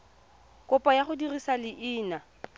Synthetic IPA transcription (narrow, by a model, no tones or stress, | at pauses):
kʼʊpʼajaχʊdirisalɪʔɪːna